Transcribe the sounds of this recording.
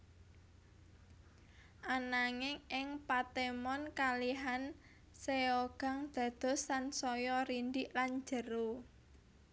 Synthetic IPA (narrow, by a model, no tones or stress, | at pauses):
ʔanaŋɪŋɪŋpat̪emɔnkaliɦan | seoɡ̥ä̤ŋd̪̥ä̤d̪̥ɔ̤slansɔjɔɾiɳɖiʔland͡ʒə̤ɾo